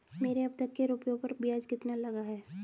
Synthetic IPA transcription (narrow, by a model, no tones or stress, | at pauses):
meːɾeɐb̚t̪ɐkːeɾuːpjõpɐɾbɪjaːd͡ʒkɪt̪nalɐɡaɦɛː